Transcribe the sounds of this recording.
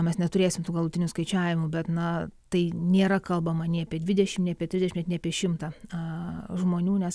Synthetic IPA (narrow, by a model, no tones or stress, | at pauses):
mʲɛsnʲɛt̪ʊɾʲeːsʲɪmt̪uːɡɐlˠuːtʲɪnʲʊskɐɪt͡ʃʲæːʋʲɪmʊbʲɛt̪nɐt̪ɐɪnʲeːɾɐkɐlˠbɐmɐnʲeɐpʲiɛd̪ʲʋʲɪd̪ʲɛʃʲɪmnʲɛɐpʲɛt̪ʲɾʲɪzdʲɛʃʲɪmʲtnʲɛɐpʲiɛʃʲɪmt̪ɑɐʒmoːnʲuːnʲɛs